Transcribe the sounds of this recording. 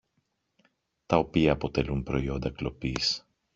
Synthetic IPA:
t̪ɐo̞piɐːpo̞t̪e̞lumpɾo̞io̞nd̪ɐklo̞pis

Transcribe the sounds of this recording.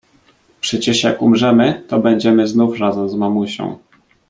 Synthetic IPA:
pʂɛt͡ɕɛʂja̰kumʐɛmɘt̪ɔbɛɲd͡ʑɛmɘznufrazɛmzmamuɕɔ̰̃w̃

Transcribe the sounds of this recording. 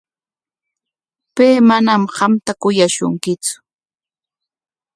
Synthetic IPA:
peːmanamhamt̪akʊjaʃʊ̰ŋkɪt͡sʊ̥

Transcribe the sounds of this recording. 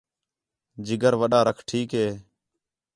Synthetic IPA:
d͡ʒɪɡəɾʋəɗaːɾəkʰʈʰiːkɦeː

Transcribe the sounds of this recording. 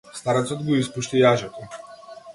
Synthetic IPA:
st̪aɾɛt̪sɔd̪ɡɔispuʃt̪ijaʒɔt̪ɔ

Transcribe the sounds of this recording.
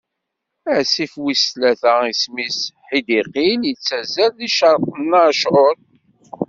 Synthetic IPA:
æʕsifwislæθæismisħid̪iqiljət͡sːæzælðiʃəɾˤq̪ənːaʃʕoɾ

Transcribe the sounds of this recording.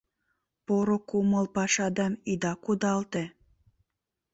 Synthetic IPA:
poɾokuməlpɑʃɑd̪ɑmid̪ɑkud̪ɑlt̪e

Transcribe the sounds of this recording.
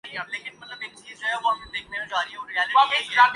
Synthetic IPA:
ĩɐleːkɪnmɐt̪ləbeːk̚t͡ʃiːzd͡ʒoɦɛbɔd̪eːkʰnemẽd͡ʒaːɾiõɾiaːlɪaeaː

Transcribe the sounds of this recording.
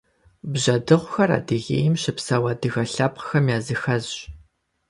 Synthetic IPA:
bʑɐdɨʁʷʊxɐra̰ːdɨɣḛːjɪmɕɨpsɐwɐːdɨɣɐɬɐpqxɐmjaːzɨxɐzɕ

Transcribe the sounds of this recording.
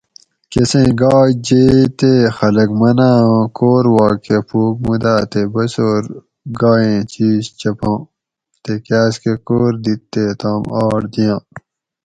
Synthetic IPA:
kesẽːɡaːd͡ʑeːt̪exɐlɐkmɐnãːkoːɾwaːkepʰuːk̚mud̪aːt̪ebɐsoːɾ | ɡaːẽːt͡ɕiːst͡ɕɐpãː | t̪ekaːskekoːɾd̪it̪ːet̪ãːmaːɽd̪ijãː

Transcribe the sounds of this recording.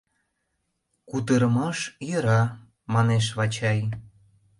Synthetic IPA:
kut̪əɾəmɑʃjəɾɑ | mɑneʃ̬βɑt͡ɕɑj

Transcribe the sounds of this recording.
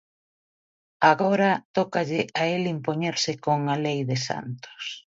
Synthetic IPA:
aɣɔɾɐt̪ɔkaʎɪʔaelimpoɲeɾsɪkoŋalejðɪsa̰nt̪o̥s

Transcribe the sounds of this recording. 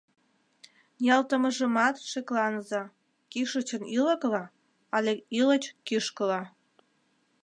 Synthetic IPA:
jɑlt̪əməʒəmɑt̪ʃeklɑnzɑ | kiʃət͡ɕənilə̆klɑ | ɑlʲeilət͡ɕkyʃkəlɑ

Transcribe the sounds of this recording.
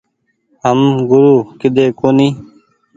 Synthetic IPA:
ɦəmɡʊɾuːkɪd̪eːkoːniː

